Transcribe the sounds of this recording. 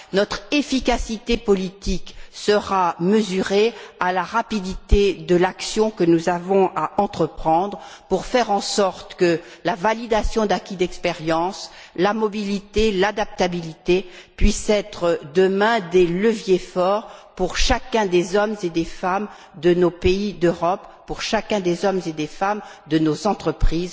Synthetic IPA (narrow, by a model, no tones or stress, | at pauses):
nɔt̪χefikasit̪epɔlit̪iksəʁaməzyʁealaʁapid̪it̪ed̪əlaksjɔ̃kənuzavɔ̃aʔɑ̃t̪χəpχɑ̃d̪ʁpuʁfɛʁɑ̃sɔʁt̪kəlavalid̪asjɔ̃d̪akʲid̪ɛkspeʁjɑ̃slamɔbilit̪elad̪ap̚t̪abilit̪epɥisɛt̪χəd̪əmɛ̃d̪eləvjefɔːʁpuʁʃakʲɛ̃d̪ezɔmzed̪efam | d̪ənopeid̪øʁɔpːuʁʃakʲɛ̃d̪ezɔmzed̪efam | d̪ənozɑ̃t̪χəpχiːz